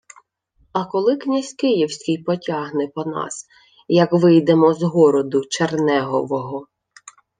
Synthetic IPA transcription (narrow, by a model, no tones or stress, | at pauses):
ɐkɔlˠɪknʲasʲkɪjiwsʲkʲɪjpɔtʲɑɦnɛpɔnɑ̰s | jɐkʋɪjd̪emɔzɦɔɾɔd̪ʊt͡ʃernɛɦɔʋɔɦɔ